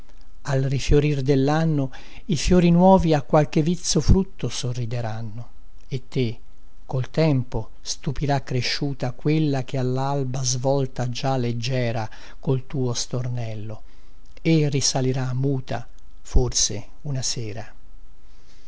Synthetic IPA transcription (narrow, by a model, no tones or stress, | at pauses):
alrifjoɾird̪elːanːo | ifjoːɾinwɔːviakːwalk̟evit̪sːofɾut̪ːosorːid̪eɾanːo | et̪ːe | kolt̪ɛmpo | st̪upiɾakːɾeʃːuːt̪akwelːak̟ealːalbazvɔlt̪ad͡ʒalːed͡ʒːɛːɾa | kolt̪uːost̪ornɛlːo | erisaliɾamːuːt̪a̰ | forse | unasɛːɾa